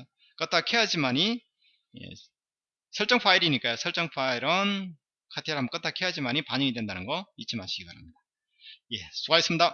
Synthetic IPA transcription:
k͈at͈akʰejad͡ʑimaɲi | jḛ | sʰʌɭt͡ɕ͈ʌŋpʰaiɾiɲik͈ajosʰʌɭt͡ɕ͈ʌŋpʰaiɾʌn | kʰatʰeɾamkat͈ʰakʰe̞ad͡ʑimaɲipaɲʌŋidwe̞ndanɯnɡʌit͡ɕʰima̰ɕʰiɡiba̰ɾɦamɲid̥a | je̞sʰuɡaes͈ɯmɲida

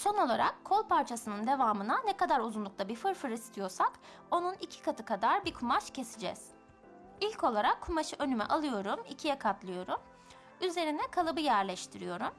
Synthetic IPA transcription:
so̞no̞lˠaɾa̰kʰːo̞lˠpaɾt͡ʃʰasɯnɯnd̪e̞vaːmɯnanɛkad̪aɾuzunlˠuk̚lˠabifɯɾfɯɾɯist̪ʰijo̞ɾsak | o̞nunicʰi̥kʰat̪ʰɯkʰad̪aɾbikʰumaʃcʰe̞sid͡ʒɛ̰z̥ | ilʲcʰo̞lˠaɾakʰːumaʃɯʔø̞nymɛ̰ʔalˠɯjo̞ɾumḭcʰijɛkʰat̪lˠɯjo̞ɾum | yze̞ɾind̪ɛkʰalˠɯbɯjæɾlʲɛʃt̪ʰiɾijo̞ɾum

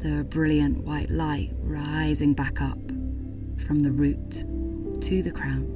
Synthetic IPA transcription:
ðəbɹɪlˠjə̃nʔwaɪʔlaɪʔ̚ɹaɪzɪ̃ŋbakʰʌp | fɹʌ̃mðəɹʉˑtʰ | ɨðɨkʰɹ̥ãʊ̃n

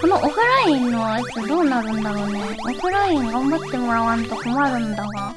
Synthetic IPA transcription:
konoʔoɸɯ̟ɾainβait͈ːed̪oːnaɾɯnd̪aɾone̞ | okɯɾaiŋɡambat̪ːe̞moɾawant̪okomaɾɯnd̪aɡa

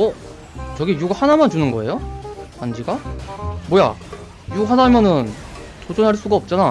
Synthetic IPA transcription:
ʌ | t͡ɕʌɡijuɡahanamjʌnt͡ɕunɯnɡʌe̞̰jopand͡ʑiɡamoja̰ | juɡɦanamjʌnɯn | tod͡ʑonɦaɭs͈uɡaʌp̚t͡ɕ͈ana

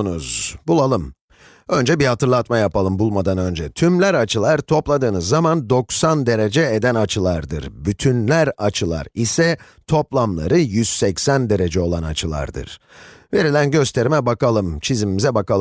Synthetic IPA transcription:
nuzbulˠalˠɯm | ø̞nd͡ʒɛbihat̪ʰɯɾlˠat̪majapalˠɯmbulˠmad̪anø̞nd͡ʒɛt̪ʰymlʲæɾat͡ʃʰɯlˠaɾt̪ʰo̞plˠad̪ɯːnɯzːamand̪o̞ksand̪e̞ɾe̞d͡ʒɛed̪ænat͡ʃʰɯlˠaɾd̪ɯ̰ɾbyt̪ʰynlʲæɾat͡ʃʰɯlˠa̰ɾisɛ | t̪ʰo̞plˠamlˠa̰ɾɯjyz̥sɛcsænd̪e̞ɾe̞d͡ʒɛo̞lˠana̰t͡ʃʰɯlˠa̰ɾd̪ɯ̰ɾ̥ | ve̞ɾilʲænɟø̞st̪ʰe̞ɾimɛbakalˠɯmt͡ʃʰizimimizɛbakalˠ

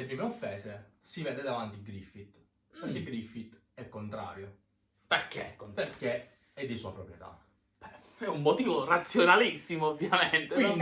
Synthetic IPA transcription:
lepɾiːmeofːɛːzesivɛːd̪ed̪avant̪iɡɾifit̪ | peɾrkeɡɾifit̪ | ɛkːont̪ɾa̰ːɾjo | perkḛkːonperke | ɛd̪ːisua̰pɾopɾjet̪a̰ | b̥ɛ | ɛumːot̪iːvorat̪sːjonalisːimoovːjament̪e

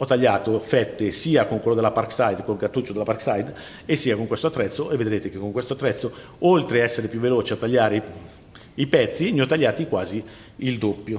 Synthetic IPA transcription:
ɔt̪ːaʎːaːt̪ofɛt̪ːesiːakoŋkwelːod̪elaparksajd̪koɡat̪ːut͡ʃːod̪elaparksajd̪ | esːiːakoŋkwest̪oat̪ːɾɛt̪sːoʔevːed̪ɾeːt̪ek̟ekːoŋkwest̪oat̪ːɾɛt̪sːo | olt̪ɾeaɛsːeɾepjuvːeloːt͡ʃeat̪ːaʎːaːɾe | ipɛt̪sːimiɔt̪ːaʎːaːt̪ikwaːzi | ild̪opːjo

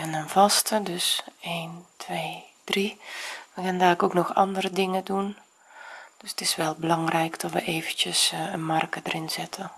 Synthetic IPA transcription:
ɛnənv̥ɑstədøseːntʰʋeːd̥riʋəkɛndaːəkoːknɔxɑ̰ndərədɪŋədun | d̥øsə̥tɪsʋɛlˠbəlɑŋrɛjkd̥ɔtʋəʔeːvəntjəsənmarkədərɪnzɪtʰə

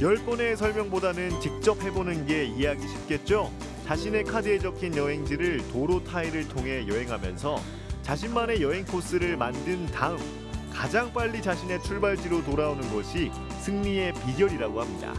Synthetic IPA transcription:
jʌɭp͈ʌne̞s̬ʰʌɭmjʌŋbodanɯnt͡ɕik̚t͡ɕ͈ʌp̚ʰɦe̞bonɯnɡe̞ieaɡiɕʰi̥p̚k͈e̞t̚t͡ɕ͈o | t͡ɕaɕʰine̞kʰadɯed͡ʑʌkʰinjʌɦe̞ŋd͡ʑiɾɯɭtoɾotʰaiɾɯɭtʰoŋɦe̞jʌɦe̞ŋɦamjʌ̰nsʰʌ | t͡ɕaɕʰinmane̞jʌɦe̞ŋpʰos͈ɯɾɯɭmandɯntaɯm | kad͡ʑaŋp͈aʎːit͡ɕaɕʰine̞t͡ɕʰuɭbaɭd͡ʑiɾotoɾaonɯnɡʌɕʰi | sʰɯŋɲie̞piɡjʌɾiɾaɡohamɲida̰

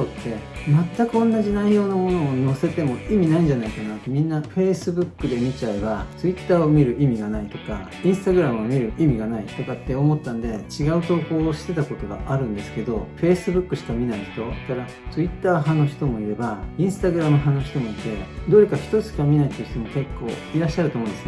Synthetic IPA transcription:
soːt̪ːe̞mat̪ːakɯ̟õ̞nːaʑinaijo̞ːnamo̞no̞ːo̞se̞t̪e̞mo̞imʲinaĩɲd͡ʑanaikanat̪ːemʲĩnːaɸe̞ːsɨbɯ̟kːɯ̟d̪e̞mʲit͡ɕaebat͡sɨit̪ːaːomʲiɾɯ̟ʔimʲiɡanait̪o̞ka̰ | ĩɰ̃sɨ̥t̪aɡɯ̟ɾamɯomʲiɾɯ̟ʔimʲiɡanait̪o̞kat̪ːe̞o̞mo̞t̪ːãnd̪e̞t͡ɕiɡaɯ̟t̪o̞ːko̞ːɕi̥t̪e̞t̪ako̞t̪o̞ɡa̰ʔaɾɯ̟̃nd̪e̞sɨ̥ke̞d̪o̞ɸe̞ːsɨbɯ̟kːɯ̟ɕi̥kamʲinaiç̥t̪o̞k̪aɾa | t͡sɨit̪ːaːɦanːoçʲi̥t̪o̞mo̞iɾe̞baĩɰ̃sɨ̥t̪aɡɯ̟ɾamɯɦãnːoçi̥t̪o̞mo̞it̪e̞d̪o̞ɾekaçi̥t̪o̞t͡sɨ̥kamʲinait̪ːe̟çi̥t̪o̞mo̞ke̞kːo̞̰ːiɾaɕːaɾɯt̪omõsɨ

